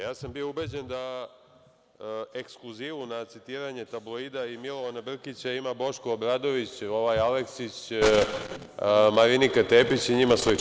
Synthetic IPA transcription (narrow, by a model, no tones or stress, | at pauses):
jaːsambioubed͡ʑend̪a | e̞ksklˠuziʋunat̪sit̪iːɾaɲe̞t̪ablˠoid̪aimilˠoanabr̩kit͡ɕaimabo̞ʃkoobɾad̪o̞ʋit͡ɕo̞ʋajaleksit͡ɕ | maɾinikat̪eːpit͡ɕiɲimasli